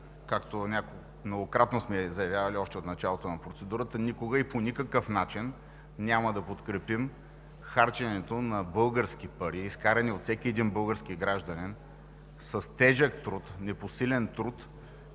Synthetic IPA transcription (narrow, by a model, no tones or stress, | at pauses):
kakt̪onʲako | mnoɡokɾat̪nosmɛzɐjɐvjavɐliɔʃt̪ɛot̪nɐt͡ʃalˠot̪onɐpɾot̪sɛd̪uɾət̪ənikoɡəiponʲikəkəfnat͡ʃin | nʲaməd̪ɐpot̪kɾɛpim | xaɾt͡ʃɐnɛt̪onɐbɤlˠɡəɾskʲipɐɾiːskaɾɛniot̪sɛkʲiɛd̪inbɤlˠɡəɾsk̟iɡɾaʒd̪ɐnin | sɐst̪ɛʒəkt̪ɾut̪nɛposilɛnt̪ɾut̪